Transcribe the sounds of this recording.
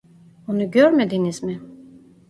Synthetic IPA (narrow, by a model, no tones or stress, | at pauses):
unuɟøɾmed̪inizmɪ